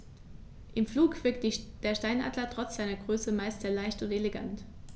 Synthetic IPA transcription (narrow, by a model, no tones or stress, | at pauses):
ʔɪmfluːkv̥ɪɐk̚td̥eːɐʃtaɪnʔa̰ːdlɐtʁ̥ɔt͡sz̥aɪnɐɡʁøːsəmaɪstɐlaɪçtʊnteleɡa̰nt